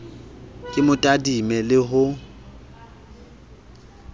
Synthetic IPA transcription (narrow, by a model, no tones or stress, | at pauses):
kʼɪmʊtʼadimɛlɪɦʊ